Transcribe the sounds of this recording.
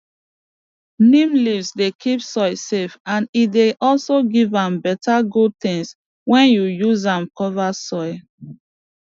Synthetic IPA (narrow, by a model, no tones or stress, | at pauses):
nĩmlivsdekʰipsɔɪsefãnideʔɔlsoɡivãmbɛtaɡud̚tɪ̃ŋs | wɛ̃njujuzãmkɔvasɔɪ